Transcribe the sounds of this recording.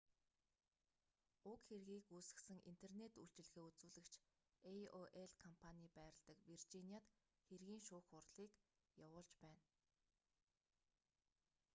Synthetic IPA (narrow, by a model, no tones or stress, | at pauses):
ʊkxerɣiːkuːsɘ̆sɘ̆ŋʔḭnt̪ʰernet̪uɬt͡ɕɪ̆ɮɣeːut͡suːɮɘ̆kt͡ɕʰ | ejoʔeɮkʰɔmpʰaniːpæːɾə̆ɮt̪ə̆kwirt͡ɕiniaːt̪ | xerɣiːŋʃʊːxʊrɮiːk | jawʊːɮt͡ɕpæːn